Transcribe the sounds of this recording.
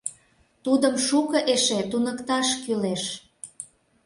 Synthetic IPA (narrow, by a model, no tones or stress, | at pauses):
t̪ud̪əmʃukəʔeʃet̪unəkt̪ɑʃkyleʃ